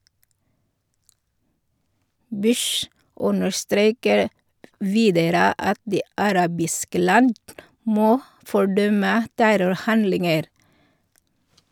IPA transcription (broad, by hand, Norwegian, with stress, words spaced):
ˈbʉʃ ˈʔʊnəɾˌstɾeːkəɾ ˈʋiːdəɾə ˈɑt ˈdiː ɑˈɾɑːbɪskə ˈlɑnd ˈmoː fɔˈɖœmə ˈtæɾʊɾˌhɑndlɪŋəɾ